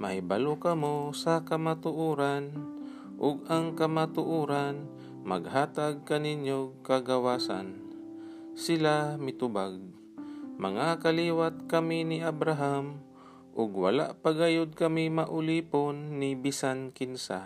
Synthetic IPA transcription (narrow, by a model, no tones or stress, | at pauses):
mɐhɪbalokɐmosakɐmat̪ʊʔuːɾan | ʔʊɡaŋkɐmat̪ʊʔuːɾan | mɐ̰ɡhaːt̪aɡ̚kɐninjokaɡawaːsa̰n | sɪlamɪt̪ʊbaɡ̚ | mɐ̰ŋakaliːwat̪̚kɐminɪʔabɾaɦam | ʔʊɡwa̰la̰ʔpaɡajʊd̪̚kɐmimaʔʊliːponːɪbɪsankɪnsa̰